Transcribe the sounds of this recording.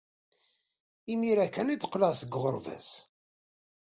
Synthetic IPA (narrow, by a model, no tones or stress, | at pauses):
imiɾækːænit͡s̪ːqlæʁsəɡʁəɾˤvæ̰s